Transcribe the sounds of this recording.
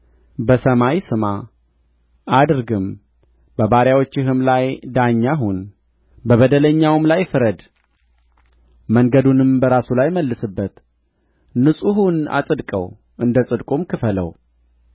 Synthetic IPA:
bəsəmajsɨma | ʔad̪ɨɾɡɨm | bəbaɾjawot͡ʃːɪɦɨmlajd̪aɲːaɦun | bəβəd̪ələɲːawɨmlajfɨɾəd̪ | məŋɡəd̪unɨmbəɾasulajməlːɨsɨbːət̪ | nɨsʼuɦuna̰sʼɨd̪kʼə̰w | ʔɨnd̪əsʼɨd̪kʼumkʰɨfələ̰w

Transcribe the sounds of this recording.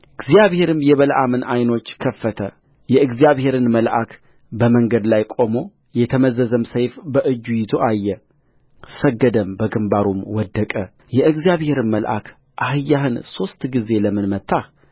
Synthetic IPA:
ɨɡzijaβhe̞ɾɨmjɛβəlʔamɨnʔajno̞t͡ʃːkʰəfːət̪ʰə | jɛɨɡzijaβhe̞ɾɨnməlʔak | bəməŋɡəd̪lajkʼo̞mo̞ | jɛt̪ʰəməzəzəmsəjfbəʔɨd͡ʒːujɪzo̞ʔajːɛ | səɡːəd̪əmbəɡɨmbaɾumwɔd̪ːəkʼə | jɛʔɨɡzijaβhe̞ɾɨnməlʔa̰kʰ | ʔahɨjːahɨnso̞st̪ɡize̞ləmɨnmət̪ʰːah

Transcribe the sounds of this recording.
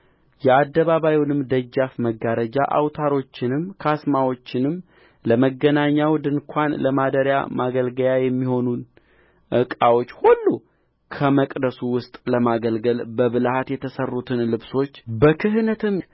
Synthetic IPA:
jɛad̪ːəβaβajiwnɨmd̪əd͡ʒːafməɡaɾəd͡ʒa̰ʔa̰wt̪ʰaɾo̞t͡ʃːɪnɨmkʰasmawo̞t͡ʃːɪnɨm | ləməɡənaɲːawd̪ɨŋkʷʰanləmad̪əɾja̰maɡəlɡəljajɛmːiho̞nun | ʔɨkʼawo̞t͡ʃːhulːu | kʰəməkʼd̪əsuwʊst̪ʼləmaɡəlɡəlbəβɨlhat̪jɛt̪ʰəsərːut̪ʰɨnlɨβso̞t͡ʃːbəkʰɨɦnət̪ɨm

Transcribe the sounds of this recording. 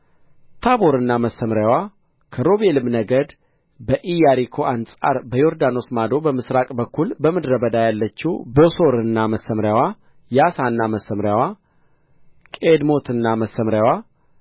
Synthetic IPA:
t̪ʰabo̞ɾɨnːaməsːəmɾjawa | kʰəɾo̞belɨmnəɡəd̪ | bəʔijaɾikʰo̞ansʼa̰ɾbəjoɾd̪ano̞smad̪o̞bəmɨsɾakʼbəkːulbəmɨd̪ɾəbəd̪ajalːət͡ʃːubo̞so̞ɾɨnːaməsːəmɾjawa | jasanːaməsːəmɾjawa | kʼed̪mo̞t̪ʰɨnːaməsəmɾjawa

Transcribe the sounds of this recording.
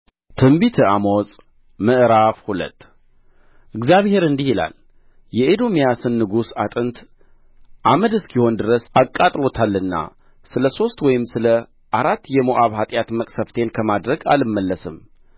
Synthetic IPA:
t̪ʰɨmbit̪ʰɨamosʼ | mɨʔɾafhulə̰t̪ː | ʔɨɡzjaβhe̞ɾɨnd̪ihila̰l | jɛed̪o̞mijasɨnːɨɡusat̪ʼɨnt̪ | ʔaməd̪ɨskʰiho̞nd̪ɨɾəsakʼat̪ʼlo̞t̪ʰalːɨnːa̰ | sɨləso̞st̪wɔjɪmsɨlə | ʔaɾat̪ːjɛmoʔaβhat̪ʼjat̪məkʼsəft̪ʰe̞nkʰəmad̪ɾəɡa̰lɨmːəlːəsɨm

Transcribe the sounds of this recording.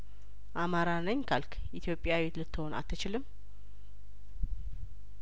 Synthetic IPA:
ʔamaɾanəɲkʰalkʰ | ʔit̪ʰjo̞pʼːjawet̪lɨt̪ʰːɨho̞na̰t̪ːɨt͡ʃɪlɨm

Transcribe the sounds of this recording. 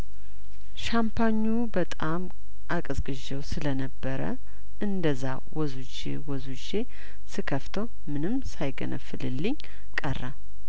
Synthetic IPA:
ʃampʰaɲːubət̪ʼam | ʔakʼɨzkʼɨʒɛwsɨlənəbːəɾə̰ | ʔɨnd̪əzːa | wɔzud͡ʒḛwɔzud͡ʒe | sɨkʰəft̪ʰəw | mɨnɨmsajɡə̰nʔə̰fːɨlɨlːɨɲ | kʼərːa

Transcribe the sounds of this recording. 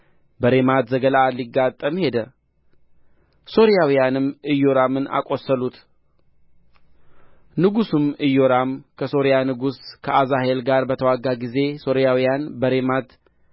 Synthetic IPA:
bəɾe̞mat̪zəɡəlaliɡːat̪ʼːəmhe̞d̪ə | so̞ɾijawijanɨmɨjo̞ɾamɨnʔa̰kʼo̞sːəlut̪ | nɨɡusɨmɨjːo̞ɾamkʰəso̞ɾijanɨɡuskʰəʔazahe̞lɡaɾbət̪ʰəwaɡːaɡize̞so̞ɾijawijanbəɾe̞mat̪

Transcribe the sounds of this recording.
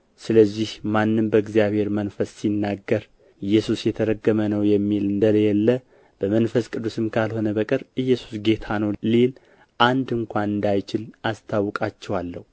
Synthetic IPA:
sɨləzːihmanːɨmbəɨɡzijaβhe̞ɾmənfəssinːaɡːəɾ | ɨjːɛsusjɛt̪ʰəɾəɡːəmənəwjɛmːilɨnd̪ələjɛlːə | b̥əmənfəskʼɨd̪ːusɨmkʰalho̞nəbəkʼɨɾʔɨjːɛsu̥sɡe̞t̪ʰanəwlel | ʔand̪ɨŋkʷanɨnd̪ajt͡ʃɪlʔast̪ʰawːɔkʼat͡ʃːɛwalːə̰hu

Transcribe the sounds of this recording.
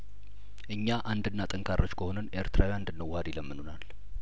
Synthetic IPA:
ʔɨɲːaʔand̪ɨnːat̪ʼɨŋkʰarot͡ʃkʰəho̞nənʔe̞ɾt̪ʰɨɾawjand̪ɨnːəwhad̪jɪləmːɨnonal

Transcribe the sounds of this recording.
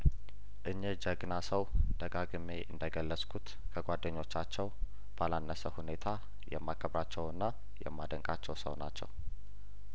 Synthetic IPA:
ʔɨɲːəd͡ʒəɡnasəwd̪̥əɡaɡɨmeʔɨnd̪əɡəlːəskʰut̪ | kʰəɡʷad̪əɲːo̞t͡ʃːat͡ʃːɛw | b̥alanːəsəhune̞t̪ʰa | jɛ̰mːakʰəβɾat͡ʃːɛwɨnːa | jɛ̰mːad̪əŋkʼat͡ʃːɛwsə̰wna̰t͡ʃːɛ̰w

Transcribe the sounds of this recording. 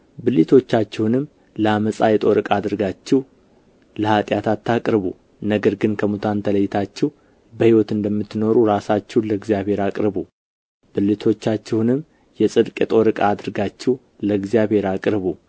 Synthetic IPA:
bɨlit̪ʰo̞t͡ʃːat͡ʃːɛwnɨmː | ləaməsʼajɛt̪ʼo̞ɾɨkʼad̪ɨɾɡat͡ʃːɛw | ləhat̪ʼjat̪ʰat̪ʰːakʼɾβu | nəɡəɾɡɨnkʰəmut̪ʰant̪ʰələjːɪt̪ʰat͡ʃːɛh | bəhiwɔt̪ɨnd̪əmːɨt̪ːno̞ɾuɾasat͡ʃːɛwləɡzjaβhe̞ɾakʼɾɨβu | bɨlːit̪ʰo̞t͡ʃːat͡ʃːɛhnɨmː | jɛsʼɨd̪kʼjɛt̪ʼo̞ɾɨkʼaːd̪ɨɾɡat͡ʃːɛw | ləɡzijaβhe̞ɾakʼɾβu

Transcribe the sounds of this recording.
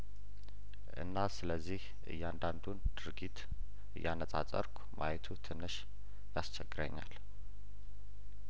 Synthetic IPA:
ʔɨ̰nːasɨləzːih | ɨ̰jːɛand̪and̪und̪̥ɨɾɡit̪ | ɨjːanəsʼat͡sʼə̰ɾkʷʰʼma̰jɛt̪ʰut̪ʰɨnːɨʃ | jast͡ʃʰɛɡːɨɾə̰ɲːa̰l

